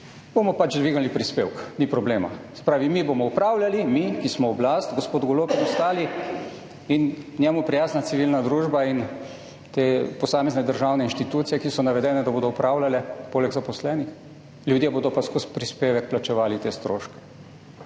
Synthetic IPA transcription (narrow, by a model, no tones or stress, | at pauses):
b̥omɔpat͡ʃd̪ʋiːɡalipɾispewknipɾɔbleːma̰sɛ̥pɾaːʋimibomɔupɾaːwlʲalimikismɔɔblast̪ɡɔspoːd̪ɡɔlopinɔst̪aːli | innʲjɛmupɾijaːznat̪siʋilnad̪ɾuːʒbain | t̪eːpɔsaːmɛznɛd̪əɾʒawnɛinʃt̪it̪uːt̪sijɛkisɔnaʋɛd̪ɛːnɛd̪aboːd̪ɔupɾaːwlalɛpoːlɛɡzapɔslɛːnix | lʲjud̪jeboːd̪ɔpaskuspɾispeːʋɛkplat͡ʃɛʋaːlit̪eːst̪ɾoːʃkɛ̥